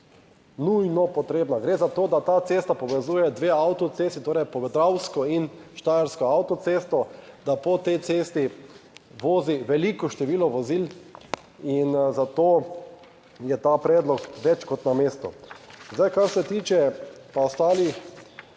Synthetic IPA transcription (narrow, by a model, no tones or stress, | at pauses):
nujnɔpɔt̪ɾeːbnaɡɾeːzat̪oːd̪at̪aːt̪seːst̪apɔʋɛzuːjɛd̪ʋeawt̪ɔt̪seːst̪it̪oːɾɛjpɔʋɛd̪ɾawskɔinʃt̪ajaɾskɔawt̪ɔt̪seːst̪ɔd̪apɔt̪ɛjt̪seːst̪i | ʋoːziʋɛlikɔʃt̪ɛʋiːlɔʋɔzil | inzat̪oː | jɛt̪apɾɛːd̪lɔkʋɛt͡ʃkɔt̪nameːst̪ɔ̰zd̪ajkaɾsɛt̪iːt͡ʃɛpaɔst̪aːlix